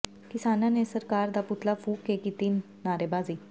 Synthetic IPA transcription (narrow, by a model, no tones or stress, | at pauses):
kisananesəɾkaɾd̪aput̪ʰlafuːkːekit̪iːnːaɾebad͡zi